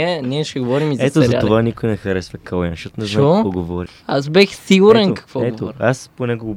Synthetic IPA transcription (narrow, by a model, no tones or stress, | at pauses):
ɛniɛʃɛɡovɔɾimizɐɛt̪ozɾzɐaovanikojnɛxɐɾɛsvɐkɐlˠjanʃɔt̪onɛznɔkɔɡovɔɾixazbɛxsiɡuɾɛnkɐ̥kvɔɛtvoɔɾasponɛɡoɡo